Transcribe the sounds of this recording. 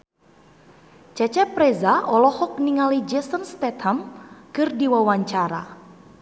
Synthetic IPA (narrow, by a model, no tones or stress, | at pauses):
t͡ʃɛt͡ʃɛpɾɛzaɔlɔhɔk̚niŋalid͡ʒɛsənst̪ɛt̪hamkɨrdiwawaɲt͡ʃaɾa̰